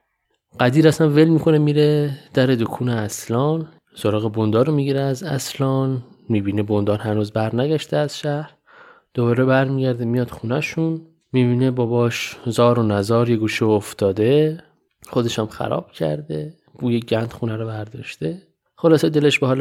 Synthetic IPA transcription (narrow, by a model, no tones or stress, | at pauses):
ɢ̥æd̪iːɾæsænvelmiːkʰo̞nemiːɾed̪̥æɾed̪okʰuːneæslɒːn | soɾɒːɣebond̪ɒːɾomiːɟiɾeæzæslɒːnmiːbiːnebond̪ɒːɾɦænuːzbæɾnæɟæʃt̪eæz̥ʃæhɾ | d̪̥obɒːɾebæɾmiːɟæɾd̪emijɒːd̪̥xunæʃun | miːbiːnebɒːbɒːʃzɒːɾonæzɒːɾjeɡuːʃioft̪ɒːd̪e | xod̪e̞ʃæmxæ̰ɾɒ̰ːb̥cʰæ̰ɾd̪e | ɡ̥uːjeɟænd̪̥xunæɾɔbæɾd̪ɒ̰ːʃt̪e | χolɒːsed̪e̞leʃbeɦɒːl